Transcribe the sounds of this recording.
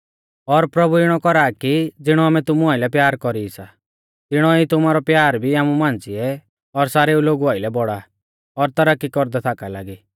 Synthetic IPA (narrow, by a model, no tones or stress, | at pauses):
ɔɾpɾɔbuɪɽ̃ɔkɔɾaːkid͡zɪɽ̃ɔaːmɛt̪ʊmuaːɪlɛpjaːɾkɔɾisa | t̪ɪɽ̃ɔit̪ʊmaːɾɔpjaːɾbʱiaːmumãːnd͡ziɛ | ɔɾsaːɾeuloːɡuaːɪlɛbɔɽa | ɔɾt̪ɐɾakːikɔɾd̪ɛt̪ʰaːkalaːɡiː